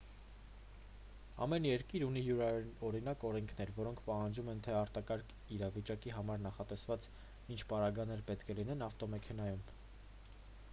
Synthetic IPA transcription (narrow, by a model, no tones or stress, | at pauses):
ɑ̰mɛnjɛɾkiɾunijuɾɔɾinɑkɔɾɛŋkʰn̪ɛɾvɔɾɔŋkʰpɑhɑnd͡ʒumɛnt̪ʰɛɑɾt̪ɑkɑɾkʰ | iɾɑvit͡ʃɑkiɦɑmɑɾnɑχɑt̪ɛsvɑt͡s | int͡ʃʰpɑɾɑɡɑnɛɾpɛt̪kʰɛlinɛnɑft̪ɔmɛkʰɛn̪ɑjum